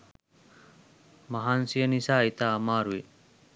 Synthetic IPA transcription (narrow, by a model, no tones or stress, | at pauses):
mɐɦansijənisaːit̪amaːɾui